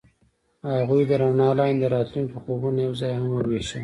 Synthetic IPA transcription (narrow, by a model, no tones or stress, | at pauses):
haɣujd̪əɾanɑlɑnd̪əɾɑt̪luŋkixobunajawzɑjhamwəɾweʃə